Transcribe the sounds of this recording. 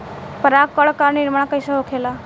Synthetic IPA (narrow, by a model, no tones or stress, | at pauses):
pəɾakkːəɭkaɾniɾmaɳakəjsəɦokʰela